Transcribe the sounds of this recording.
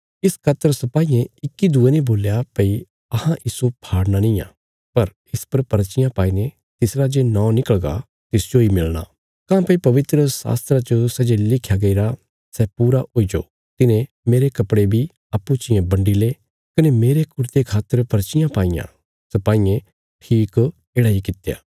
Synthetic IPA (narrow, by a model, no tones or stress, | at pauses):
ɪskʰaːt̪ːəɾsɐpaːijẽɪkːid̪uenĩboːljapɐi | ɐhãʔɪsopʰaːɽnanĩjã̰ː | pɐɾ | ɪspɐɾpɐɾt͡ʃɪjãpaːine | t̪ɪsɾad͡ʒenɔ̃ːnɪkəɭɡa̰ | t̪ɪsd͡ʒoimɪlña̰ː | kãːpəipɐʋɪt̪ɾəsa̰ːst̪ɾat͡ʃosɛd͡ʒelɪkʰːjaɡɐiɾa | sɛpuːɾaoːid͡ʒo̰ː | t̪ɪnẽ | meːɾekɐpɽebʱi | ɐpːut͡ʃɪjẽbɐ̃ɳɖile | kɐnemeːɾekʊɾt̪ekʰaːt̪ːəɾpɐɾt͡ʃɪjãpaːĩjã̰ | sɐpaːiẽ | ʈʰiːk | eːɽaikɪt̪ja̰ː